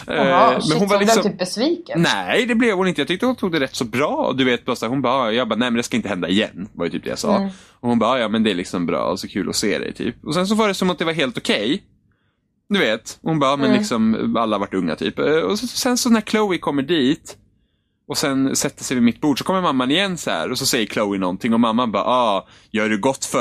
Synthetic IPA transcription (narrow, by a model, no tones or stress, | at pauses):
mɛnhʊnvaɾlɪksɔyːp̚bɛsviːknɛd̪ɛblɛvhʊnɪnjɑt̪ʏk̚t̪əhʊnt̪ʰuːɡ̚d̪ɛɾɛt̪ːsɔbɾɑ̰ːd̪ɵveːt̪̚bɑsaɾhʊnbɑːɑjɑːɡbɑːnɛɪmɛnd̪ɛskaɪnt̪əhɛnd̪aɪjɛ̰nːva̰ɾɛ̰jt̪ʰyːp̚d̪ɛ̰ja̰sɑ̰ː | ɔhʊnbɑːɑːjɑːmɛnd̪ɛæɭɪksɔmbɾɑ̰ːɔsɔkʰʉ̟ːlʔɔ̰sḛːd̪ɛ̰jt̪ʰy̰ːpɔsɛns̬ɔvɑːɖɛsɔmat̪̚d̪ɛvaɾɦeːlt̪ʊkʰɛj | d̪ɵveːt̪hʊnbɑːɑːmɛnlɪksɔmalːavaʈːɵŋːa̰t̪ʰy̰ːpɔsɔsɛnsɔnæɾkʰləʊɪkʰɔmːəɖiːt̪ | ɔsɛnsɛt̪ːəsɛjvɪmɪt̪̚ːbuːɖʂɔkʰɔmːəɾmamːanɪjɛnːsaæ̰ːɾɔsɔsɛjːəɾkʰləʊɪnɔnt̪ʰɪŋɔmamːabɑ̰ːʔɑː | jœːɖɵɡɔt̪ːfœ